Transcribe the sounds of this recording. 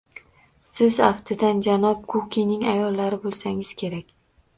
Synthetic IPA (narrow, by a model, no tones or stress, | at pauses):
sɪzaft̪ʰɪd̪and͡ʒanɒp̚kʰukʲʰinɪŋajɒlˠːaɾɪbolˠsaŋɪz̥kʲʰe̞ɾakʲ